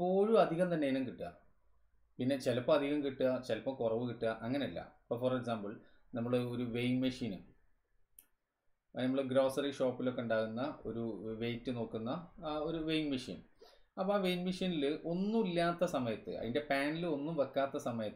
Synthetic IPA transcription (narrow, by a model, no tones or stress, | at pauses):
ipːoːɻuɐd̪ʱiɣɐmt̪ɐnːejinumkiʈːuɣɐ̰ | pinːe̞t͡ɕelɐpːɐmɐd̪ʱiɣɐmkiʈːuɣɐt͡ɕelɐpːɐmkurɐʋɨkiʈːuɣɐʔɐŋːɐneɐlːɐ̰ɐpːɐforeksaːmbɨlnɐmːuɽeoɾuʋejnmɐʂiːnɨ̰ | nɐmːɐɭɨɡroːsɐriʂo̞ːpːilo̞kːe̞uɳɖaːɣunːɐoɾuʋe̞jtːɨno̞ːkːunːɐo̞ɾuʋejŋmɐʂḭːnɐpːoaʋejnmiʂiːnilʔo̞nːumilːaːt̪ːɐsɐmɐjɐt̪ːɨ̰ʔɐ̰ðinde̞paːnilo̞nːumʋɐkːaːt̪ːɐsɐmɐjɐt̪ːɨ